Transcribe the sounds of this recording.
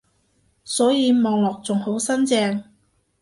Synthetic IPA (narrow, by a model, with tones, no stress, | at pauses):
sɔː˨˥jiː˨˧mɔː˨˧ŋlɔː˨k̚t͡sʊ˨ŋho˨˥wsɐ˥nt͡sɛː˧ŋ